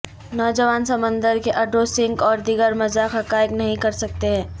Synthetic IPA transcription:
nɔːd͡ʒəʋaːnsɐmə̃nd̪əɾkeʔɐɖɾoːsɪ̃ŋɡɔːɾd̪ɪɡəɾmɐzaxɦɐkaːjəknɐɦĩkɐɾsɐk̚t̪eɦɛ̃ː

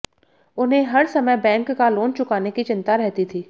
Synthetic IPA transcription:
ʊnɦẽɦɐɾsɐməjbɛ̃ːŋkːaloːnt͡ʃʊkaːnekit͡ʃɪnt̪aɾɛɦt̪it̪ʰiː

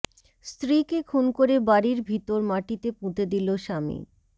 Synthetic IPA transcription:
st̪ɾikekʰunkoɾebaɾiɾbʱit̪oɾmaʈit̪epũt̪ed̪iloʃamḭ

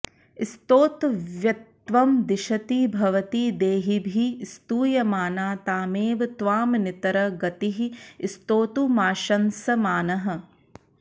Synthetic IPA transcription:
ist̪oːt̪ʋjɐt̪ʋɐmd̪iʃɐt̪ibʱɐʋɐt̪id̪eːɦibʱist̪uːjɐmaːnaːt̪aːmeːʋɐt̪ʋaːmnit̪ɐɾɐɡɐt̪iɦist̪oːt̪umaːʃɐnsɐmaːnɐɦɐ̆

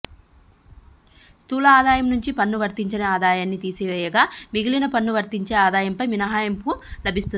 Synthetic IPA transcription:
st̪uːlɐaːd̪aːjɐmnuɲt͡ʃipɐnːuʋɐɾt̪iɲt͡ʃɐnɐaːd̪aːjaːnːit̪iːsiʋɛːjɐɡaːmiɡilinɐpɐnːuʋɐɾt̪iɲt͡ʃe̞ːaːd̪aːjɐmpɐjminɐɦaːjɐmpulɐbʱist̪un

